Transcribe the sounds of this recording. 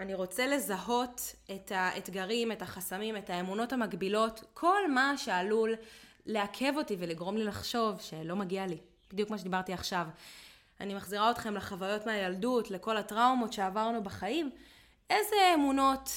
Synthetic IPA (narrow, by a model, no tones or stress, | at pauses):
aniʁo̞t͡se̞le̞zaɦo̞te̞tʰaetɡaʁime̞taχasamime̞taemuno̞thamaɡbilo̞tkʰo̞lmaʃealulː | eakʰe̞vo̞tive̞liɡʁo̞mlilaχʃo̞vʃe̞lo̞maɡiali | bidjukmaʃed̪ibaʁtiaχʃav | animaχziʁaotχe̞mleχavajo̞tmeajaldutle̞ko̞latʁawmo̞tʃe̞avaʁnubaχaim | ʔe̞zeemuno̞t